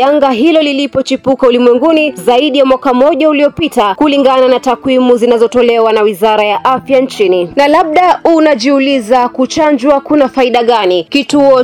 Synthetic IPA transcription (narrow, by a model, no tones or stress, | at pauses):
aŋɡaɦilɔlilipɔt͡ʃipukaulimwɛŋɡunizaiɗijamwakamɔʄauliɔpitakuliŋɡananatakwimuzinazɔtɔlɛwanawizaɾajaʔafjant͡ʃininalaɓ̚ɗaunaʄiulizakut͡ʃand͡ʒwakunafaiɗaɠanikituɔ